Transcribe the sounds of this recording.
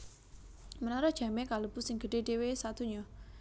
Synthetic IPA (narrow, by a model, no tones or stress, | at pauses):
mənaɾɔdʒ̥ä̤mekaləb̥ṳsɪŋɡəɖ̥eɖ̥ewesat̪uɲɔ